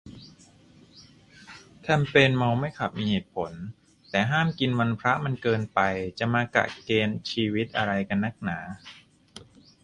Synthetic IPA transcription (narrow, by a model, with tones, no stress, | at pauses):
t̪ʰɛ˧mpeː˧nma˧wma˥˩jkʰa˨˩p̚miː˧heː˨˩t̪̚pʰo˩˦n | t̪ɛː˨˩ɦaː˥˩mki˧nwa˧npʰɾa˦˥ʔma˧nkɤː˧npa˧jt͡ɕa˨˩maː˧ka̰˨˩keː˧nt͡ɕʰiː˧wi˦˥t̪̚ʔa˧ɾa˧jka˧nːa˥˩k̚naː˩˦